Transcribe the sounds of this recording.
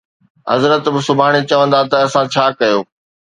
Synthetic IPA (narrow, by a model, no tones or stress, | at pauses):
ɦɐ̰zɾət̪bɪsʊbʱaːɽ̃et͡ɕɐʋə̃nd̪at̪ɐɐsãt͡ɕʰaːkɐjoː